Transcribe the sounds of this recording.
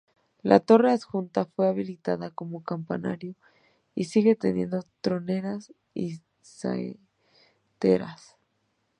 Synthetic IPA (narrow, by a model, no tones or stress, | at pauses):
lʔa̰t̪o̞re̞asxunt̪afwe̞aβilit̪aðako̞mo̞kampana̰ɾjo̞ | isiɣe̞t̪e̞nje̞̰nd̪o̞t̪ɾo̞ne̞ɾas | i | sa̰ | t̪e̞̰ɾas